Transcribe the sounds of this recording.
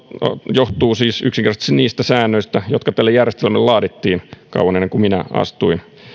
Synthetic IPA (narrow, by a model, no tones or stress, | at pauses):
joht̪uːsiːsyksiŋkert̪ɑst̪istiniːst̪æsæːnːøist̪æjot̪kɑt̪ælːejærjest̪elmelːlɑːdit̪ːiːnkɑ̰uwˑɑnenːeŋkuminæɑ̰st̪uin